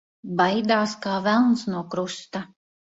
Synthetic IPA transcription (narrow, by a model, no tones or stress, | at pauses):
bajd̪aːskaːvælˠnsnuɔkɾust̪a